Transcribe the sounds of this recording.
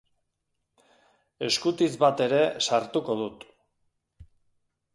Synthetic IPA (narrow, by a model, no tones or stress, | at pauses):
e̞skut̪izβat̪e̞ɾe̞saɾt̪uko̞ðut̪